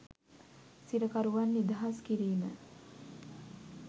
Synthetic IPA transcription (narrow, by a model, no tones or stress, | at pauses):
siɾəkaɾuʋanːid̪aɦaskiɾiːmə̰